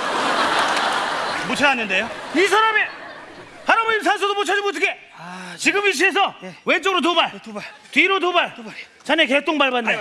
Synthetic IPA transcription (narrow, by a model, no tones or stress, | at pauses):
mot͡ɕʰaɾanːɯnde̞joisʰaɾame | sʰaɾaboɲinsʰans̬ʰudomot͡ɕʰad͡ʑimot̬ʰɯkʰe | t͡ɕiɡɯmiɕ̬ʰies̬ʰʌwent͡ɕ͈ʌɡɯɾot̬omaɭ | twiɾot̬omaɭ | t͡ɕaneket͈oŋbaɭbanːe